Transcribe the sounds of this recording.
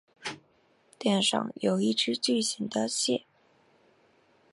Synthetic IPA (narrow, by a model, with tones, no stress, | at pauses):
t̪jɛ˥˧nʂɑ̰˥˩ŋjo˧˥ʊi˥˩ʈ͡ʂɻ̩˥t͡ɕy˥˩ɕi˧˥ŋd̪ə˧ɕjɛ̰˥˩